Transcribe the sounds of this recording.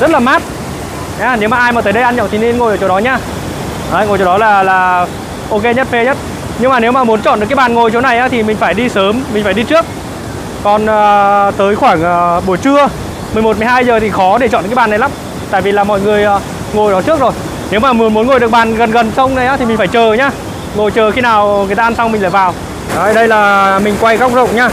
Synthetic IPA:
zə˦˥t̚laː˨˩maː˦˥t̚ | ɲaː˨˧ne˨˦wmaː˨˩ʔːjmaː˨˩t̪əː˨˦jɗə˧jʔnɲɔ̰˧˨t̪i˨˩ne˧nŋo˨˩jʔəː˧˩t͡ɕɔ˧wɗɔ˨˦ɲaː˧ | ʔaː˨˦ŋo˨˩jt͡ɕo˧wɗɔ˨˦laː˨˩laː˩ | ʔo˧ke˧ɲə˦˥t̚fe˧ɲə˦˥t̚ | ɲɨ˧ŋmaː˨˩ne˨˦wmaː˨˩mu˨˦nt͡ɕɔ̰˧˨nɗɨ˨˩kːjɓaː˨˩nŋo˨˩jt͡ɕo˨˦na˨˩jʔaː˨˦t̪ʰi˨˩mï˨˩ŋ̟faː˧˩jɗi˧səː˨˦mːï˨˩ŋ̟faː˧˩ɗi˧t͡ɕɨ˦˥ək̚ | kɔ˨˩nʔəː˨˩t̪əː˨˦jxwaː˧˩ŋʔəː˨˩ɓu˧˩ət͡ɕɨ˧ə | mɨ˨˩əjmo˨˩t̚m˨˩jɦaː˧jzəː˨˩t̪ʰi˨˩xɔ˨˦ɗe˧˩t͡ɕɔ̰˧˨n˨˩kːɓaː˨nːa˨˩la˨˦m | t̪a̰ː˧˨jvi˨˩laː˨˩mɔ̰˧˨jŋɨ˨˩əjʔaː˨˦ | ŋo˨˩jɗɔ˨˦t͡ɕɨ˦˥ək̚zo˨˩j | ne˨˦wmaː˨˩mu˨˦nmu˨˦ənŋo˨˩ɗɨ˨˩ək̚ɓaː˨˩nɣə˨˩nɣə˨˩nsə˧wŋ͡mnə˨˩jʔaː˨˦i˨˩mï̟˨˩faː˧˩jt͡ɕəː˨˩ɲaː˧ | ŋo˨˩jt͡ɕəː˨˩xi˧naː˨˩wŋɨ˨˩jt̪aː˧nsa˧wŋ͡mmï˨ŋ̟la̰ː˧˨˩vaː˨˩w | ʔaː˨˧˩ɗə˧jlaː˨˩mï˨˩ŋ̟kwa˧jɣa˦˥k͡p̚zə̰˧˨wŋ͡mɲaː˧

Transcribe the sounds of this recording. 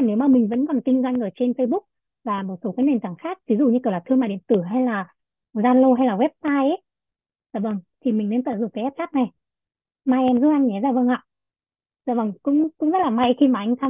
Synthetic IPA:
ne˨˦wmaː˨˩mi˨˩ŋ̟və̰˧˥nkɔ˨˩nkï˧ŋ̟zwa˧jŋ̟ʔəː˨˩t͡ɕe˧nfə˧jɓʊ˦˥k̚ | vaː˨˩mo˨˩t̚so˨˦kaː˨˦ne˨˩nt̪aː˨˩ŋxaː˦˥k̚vi˨˦zṵ˧˨ɲɨ˧i˨˩wlaː˨˩t̪ʰɨ˧maː˨˩ɗḭ˧˨ə˨nt̪ɨ˧˩ɦa˧jlaː˨˩ | zaː˧nlo˧ɦa˧jlaː˨˩ɣwɛ˦˥p̚saː˧jʔə˨˦j | zaː˧˩və˧˩ŋt̪ʰi˨˩mï˨˩ŋ̟ne˧nt̪ə̰ː˧˨˩zʊ̰˧˨ŋ͡mkaː˨˦jʔɛ˦˥p̚xaː˦˥k̚na˨˩j | maː˧jʔɛ˧mzɨ˦˥ʔa˧ŋ̟ɲ˨˦zaː˧˩və˨˧˩ŋʔa̰ː˧˨ | za̰ː˧˩və˧˩ŋkʊ̰˧˥ŋ͡mkʊ̰˧˥ŋ͡mzə˦˥t̚laː˨˩ma˧jxi˧maː˨˩ʔa˧ŋ̟saː˧

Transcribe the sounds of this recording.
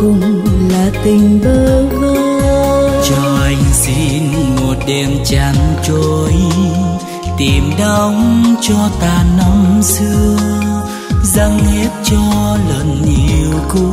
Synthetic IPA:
kʊ˧ŋ͡mlaː˨˩t̪ï˨˩ŋ̟ɓəː˧˦ɣo˧t͡ɕɔ˧ʔa˨˧jŋ̟sḭ˧˥˧nmo˨˩t̚ɗe˨˩mt͡ɕa˧˨nt͡ɕo˧˩˧j | t̪i˨˩mɗə˧wŋ͡mt͡ɕɔ˧t̪aː˨˩nɔ˧˦wŋ͡msɨ˧ | zə˧ŋhi˦˥ət̚t͡ɕɔ˧lə˨˩nɲi˨˩əwku˧˦

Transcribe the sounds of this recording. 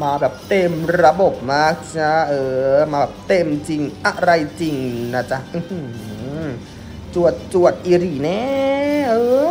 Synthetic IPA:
maː˧bɛː˨˩p̚t̪e˧mɾa˧bo˨˩p̚maː˦˥˩k̚t͡ɕa˧˦˥ʔɤː˧maː˧bɛː˨˩p̚t̪e˧mt͡ɕi˧ŋʔa˧˩ɾa˧jt͡ɕi˧˩ŋna˧˩t͡ɕa˧˥˩ʔɯ˧˩hɯ˧˩ | t͡ɕu˨˩ət̪̚t͡ɕu˨˩ət̪̚ʔiː˧ɾiː˨˩nɛː˦˥ʔɤː˧˩

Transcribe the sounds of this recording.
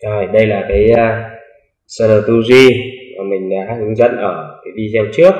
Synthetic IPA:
zo˨˩jɗə˧jlaː˨˩kaː˨˦jə˧ | sə˧ləː˨˩t̪u˧zi˧maː˨˩mï˨˩ŋ̟ɗaː˨˦hɨ˨˧˦ŋzə̰˧˥nʔəː˧˩kaː˨˦jvi˧t̪ʰɛ˧wt͡ɕɨ˦˥ək̚

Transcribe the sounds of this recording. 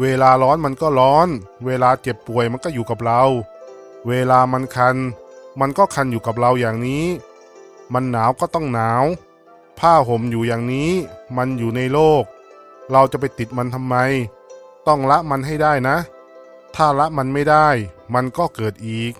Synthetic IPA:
weː˧laː˧lɔː˦˥nma˧nkɔː˥˩lɔː˦˥nweː˧laː˧t͡ɕe˨˩pːu˨˩əjma˧nkɔː˥˩juː˨˩ka˨˩p̚ɾa˧w | weː˧laː˧ma˧nkʰa˧nma˧nkɔː˥˩kʰa˧njuː˨˩ka˨˩p̚ɾa˧wjaː˨˩ŋniː˦˥ | ma˧nːaː˩˦wkɔː˥˩t̪ɔ˥˩ŋnaː˩˦w | pʰaː˥˩ɦo˨˦mjuː˨˩jaː˨˩ŋniː˦˥ma˧njuː˨˩na˧jloː˥˩k̚ | ɾa˧wt͡ɕa˨˩p̬a˧jt̪i˨˩t̪̚ma˧nt̪ʰa˧mːa˧j | t̪ɔ˥˩ŋla˦˥ʔma˧nɦa˥˩jdaː˥˩jna˦˥ʔ | t̪ʰaː˥˩la˦˥ʔma˧nma˥˩jdaː˥˩jma˧nkɔː˥˩kɤː˨˩t̪̚ʔiː˨˩k̚

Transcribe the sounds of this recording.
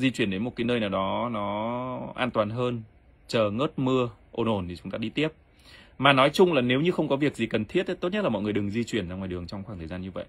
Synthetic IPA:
zi˧t͡ɕwi˧˩ənɗe˨˦nmo˨˩t̚kːaː˨˦jnəː˧jnaː˨˩wɗɔ˨˦nɔ˨˦ʔa̰ː˧nt̪waː˨˩nɦəː˧n | t͡ɕəː˨˩ŋəː˦˥t̚mɨ˧əʔo˧˩nʔo˧˩nt̪ʰi˨˩t͡ɕʊ˨˦ŋ͡mt̪aː˧ɗi˧t̪i˦˥əp̚ | maː˨˩nɔ˨˦jt͡ɕʊ˧ŋ͡mlaː˨˩ne˨˦wɲɨ˧xə˧wŋ͡mkɔ˨˦vi˨˩ək̚zi˨˩kə˨˩nt̪ʰi˦˥ət̚t̪o˦˥t̚ɲə˦˥t̚lːmɔ̰˧˨ŋ˨˩əjɗɨ˨˩ŋzi˧t͡ɕwi˧˩ənzaː˧ŋwaː˨˩jɗɨ˨˩əŋt͡ɕɔ˧ŋ͡mxwaː˧˩ŋt̪ʰəː˨˩zaː˧nɲɨ˧və̰˧˨jʔ

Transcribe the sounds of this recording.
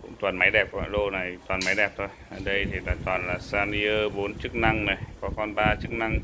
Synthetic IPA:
kʊ̰˧˥ŋ͡mt̪waː˨˩nma˨˦jɗɛ˨˩p̚ka̰ː˧˩lo˧na˨˩jt̪waː˨˩nma˨˦jɗɛ˨˩p̚t̪ʰo˧jʔəː˨˩ɗə˧jt̪ʰi˨˩laː˨˩t̪waː˨˩nlaː˨˩saː˧ni˧ʔəː˧ɓo˨˦nt͡ɕɨ˦˥k̚na˧ŋnə˨˩jkɔ˨˦kɔ˧nɓaː˧t͡ɕɨ˦˥k̚na˧ŋ

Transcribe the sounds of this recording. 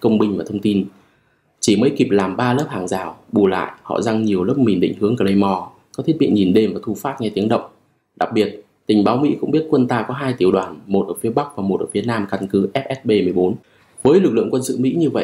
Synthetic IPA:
kə˧wŋ͡mɓï˧ŋ̟vaː˨˩t̪ʰə˧ŋ͡mt̪i˧n | t͡ɕi˧˩məː˨˦jki˨˩p̚laː˨˩mɓaː˧ləː˦˥p̚haː˧˩ŋzaː˨˩wɓu˨˩la̰ː˧˨jʔhɔ̰˧˨za˧ŋɲi˨˩əwlə˦˥p̚mi˨˩nɗḭ˧˨ŋ̟hɨ˨˦əŋkəː˧˩lə˧jmɔ˧˩ | kɔ˨˦t̪ʰi˦˥ət̚ɓḭ˧˨ɲi˨˩nɗe˧mvaː˨˩t̪ʰu˧faː˦˥t̚ŋɛ˧t̪i˨˦əŋɗə̰˧˨wŋ͡m | ɗa˨˩k̚ɓi˨˩ət̚ | t̪ï˨˩ŋ̟ɓaː˨˦wmḭ˧˥kʊ̰˧˥ŋ͡mɓi˦˥ət̚kwə˧nt̪aː˧kɔ˨˦ɦaː˧jt̪i˨˩əwɗwaː˨˩nmo˨˩t̚ʔəː˧˩fi˨˦əɓa˦˥k̚vaː˨˩mo˨˩t̚ʔəː˧˩fi˨˦ənaː˧mka˧nkɨ˨˦ʔɛ˦˥p̚ʔɛ˦˥t̚ɓe˧mɨ˨˩əjɓo˨˦n | vəː˨˦jlɨ˨˩k̚lɨ̰˧˨əŋkwə˧nsɨ̰˧˨mḭ˧˥ɲɨ˧və̰˧˨ʔ

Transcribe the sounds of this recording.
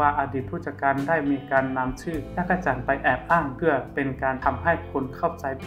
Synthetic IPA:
aː˧ʔaː˧diː˨˩t̪ʰuː˥˩t͡ɕa˧˩kaː˧ndaː˥˩jmiː˧kaː˧nːa˧˥mt͡ɕʰɯː˥˩ja˧˥˩kːa˧t͡ɕaː˨˧npa˧jʔɛː˨˩p̚ʔaː˥˩ŋpʰɯ˧˩ɐpe˧nkaː˧nt̪ʰa˧mha˥˩jkʰu˧nkʰa˥˩wt͡ɕa˧j

